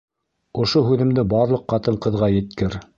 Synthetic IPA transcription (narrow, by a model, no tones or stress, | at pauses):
ŏʃoɦʉðɘ̆md̪ɘbɑɾlˠɤqːɑt̪ɤɴqɤ̆ðʁɑjɘ̆t̪kɘɾ